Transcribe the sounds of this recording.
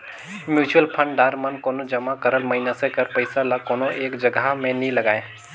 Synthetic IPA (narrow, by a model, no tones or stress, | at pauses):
mjuːt͡ʃuəlpʰə̃ɳɖɖaːɾmənkoːnod͡ʒəmakəɾəlməɦinasẽkəɾpəɪsalakoːnoʔeːkd͡ʒəɡamẽnĩləɡaːe